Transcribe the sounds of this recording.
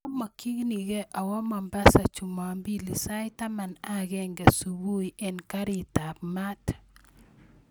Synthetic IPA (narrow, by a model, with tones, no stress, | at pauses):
ma˨ki˦ŋni˨ɡɛ˦ʔa˨wɔ˦ma˨mba˦sa˨t͡ʃu˨ma˨mbi˦li˨sa˦jta˦ma˨na˦ɡɛ˦ŋɡɛ˨su˨wu˦jʔɛ˦nka˦ɾi˦˨ta˨p̚ma˦t